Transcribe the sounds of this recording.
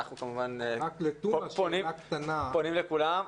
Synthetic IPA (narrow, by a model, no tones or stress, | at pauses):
aχnukamuvanaklet̪uponimakt̪anaponimlekulam